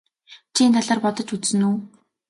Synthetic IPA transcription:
t͡ɕʰiːnt̪ʰaɮaːrpɔt̪ɞ̆t͡ɕut͡ssɘ̆nuː

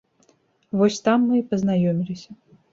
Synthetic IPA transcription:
vɔsʲt̪amːɨipɐznajɔmʲilʲisʲɐ

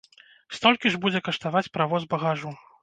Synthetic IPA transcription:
st̪ɔlʲkʲiʐbud͡zʲɛkɐʂt̪avat͡sʲpɾavɔzbɐɣaʐu

